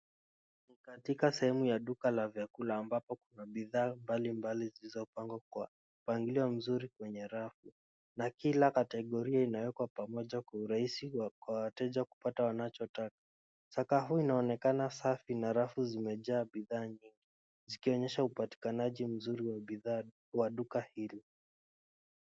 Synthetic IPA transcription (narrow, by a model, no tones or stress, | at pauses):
nikatikasɛhɛmujaɗukalavjakulaːmbapɔkunaɓiðaːmbalimbalizilizɔpaŋɡ | upaŋɡiliwam̩zuɾikwɛɲɛɾafu | nakilakatɛɠɔɾiainawɛkwapamɔʄakwauɾaisikwawatɛʄaku̥patawanat͡ʃɔtakḁ | sakaɦuːinaɔnɛkanasafinaɾafuzimɛʄaːɓiðaːɲiŋɡi | zikiɔɲɛʃaupati̥kanaʄim̩zuɾiwia | waɗukahili